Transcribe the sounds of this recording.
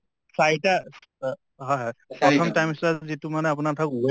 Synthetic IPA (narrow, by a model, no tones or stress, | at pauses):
sajʈa | ɦɔjɦɔjpɔt̪ʰɔmʈajmislazit̪umanɛap̬unat̪ʰake